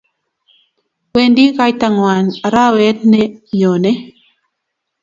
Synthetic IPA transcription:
wwe˨ndi˦ɣa˦jta˨ŋwa˨ɲa˨ɾa˦wɛ˦tnɛ˦ɲo˨nɛ˦

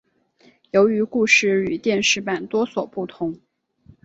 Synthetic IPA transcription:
jo˧˥ʊy˧˥ku˥˧ʂɻ̩˥˩y˨˩t̪jɛ˥˧nʂɻ̩˥˩pa˨˩nt̪wɔ˥swɔ˨˩pu˥˩t̪ʰʊ˧˥ŋ

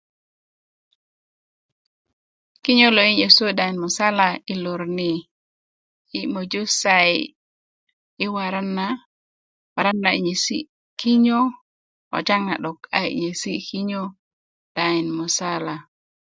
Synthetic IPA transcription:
ki˦ɲo˦lo˨i˦ɲe˨so˦da˨i˨nmu˨sa˦la˨i˨lo˨ɾni˨˦ | mo˨d͡ʒo˦sa˨j | ɪ˦wa˨ɾa˦nːa | wa˨ɾa˦nːa˨i˨ɲe˨si˦ | ki˦ɲo˦ | ɔ̰˨t͡ʃa˦ŋna˨ɗɔ˨ka˦˨j̰ɲe˨si˦ki˦ɲo˦ | d̥a˨i˨nmu˨sa˦la˨

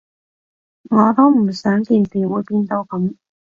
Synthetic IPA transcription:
ŋɔː˨˧t̪o˥m̩˨˩sœː˨˥ŋt̪iː˧nsiː˨wuː˨˧jpiː˧nt̪o˧wkɐ˨˥m

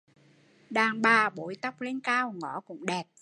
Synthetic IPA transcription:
ɗaː˨˩ŋɓaː˨˩ɓo̰˧˦jt̪a˦˥wk͡p̚le˧nkaː˧wŋɔ˧˩˦kʊ̰˧˥ŋ͡mɗɛ˨˩p̚

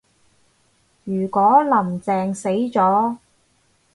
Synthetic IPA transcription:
jyː˨˩kɔː˨˥lɐ˨˩mt͡sɛː˧ŋse˨˥jt͡sɔː˨˥

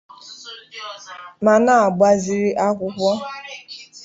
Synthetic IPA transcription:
ma˨na˦a˨ɡ͡ba˦zi˨ɾi˦ʔa˦kʷʊ˦kʷɔ˦

